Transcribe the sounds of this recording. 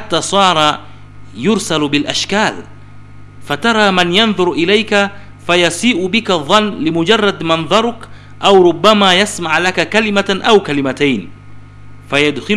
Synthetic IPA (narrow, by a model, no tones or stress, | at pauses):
ħat̪ːaːsˤɑːɾˤɑ | jʊɾsalbɪlʔaʃkaːl | fat̪ɑɾˤɑːmanjɑnðˤʊɾʔɪlajka | fajɑsiːʔʊbɪkaðˤːɑnːlɪmʊd͡ʒɑrˤːɑd̪mɑnðˤɑɾˤʊk | ʔawɾʊbːamaːjasmaʕlakakalɪmaʔawkalɪmat̪ajn | fajad̪xɪ